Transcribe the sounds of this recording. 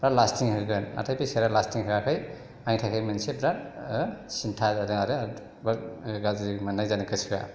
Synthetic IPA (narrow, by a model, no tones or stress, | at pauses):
bɾalastiŋhɯɡɯna̰tʰajpiseɾalastiŋɦɯkakʰaj | ajtʰajkʰajmɯnsebɾat | sintʰaaɾɯŋaɾɯ | baɾɡazimanːajzanɯkɯsɯja̰